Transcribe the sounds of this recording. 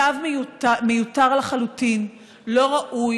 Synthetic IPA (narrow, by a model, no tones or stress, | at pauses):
avmemejutaʁlaχalutin | lo̞ʁaʔu